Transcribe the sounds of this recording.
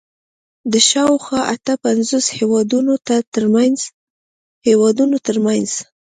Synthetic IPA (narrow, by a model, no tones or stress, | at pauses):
d̪əʃɑwxwɑʔat̪əpanzoshewɑd̪unot̪aəɾmanz | hewɑd̪unot̪əɾmanz̥